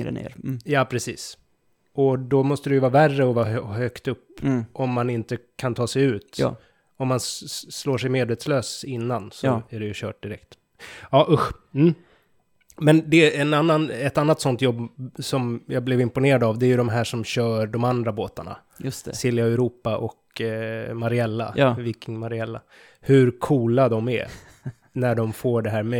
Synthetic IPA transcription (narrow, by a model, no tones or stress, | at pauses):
ɾə̰nḛɾjɑːpʰɾɛsḭːs | ɔd̪ɔmɔst̪əd̪ɛjɵvɑːɾværːəɔvɑːhœkt̪ɵpːʔɔmːanɪnt̪əkʰant̪ʰɑːsɛjʉ̟ːt̪ː | ɔmːansloːʂɛjmeːd̪veːt̪sløːsɪnːansɔæɖɛjɵɕœ̰ːʈ̚d̪ɪɾɛkt̪ | ɑːʔɵɧ | m̩ː | mɛnd̪ɛːnanːanɛt̪anːat̪sɔnt̪jɔbːsɔmjɑblɛvɪmpʊneːɾad̪avd̪ɛæɾjɵd̪ɔmɦæːʂɔmɕœːɖɔmand̪ɾaboːt̪aɳa̰ | jst̪sɪljaɛɾuːpaʔɔk | maɾɪɛlːa̰viːkɪŋmaɾɪɛlːa̰ | hɵɾkʰuːlad̪ɔmæ̰ | næɖɔmfoːɖɛɦæːɾmɛ